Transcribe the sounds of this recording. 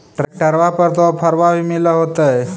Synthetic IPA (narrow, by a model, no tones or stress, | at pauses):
ʈɾeʈəɾʋapəɾt̪opʰəɾʋabʱimiləɦot̪əe